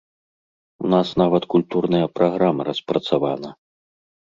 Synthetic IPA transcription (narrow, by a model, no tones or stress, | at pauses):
unasnavɐt̪kulʲt̪urnɐjɐpɾʔaɣɾamɐɾɐspɾɐt̪savanɐ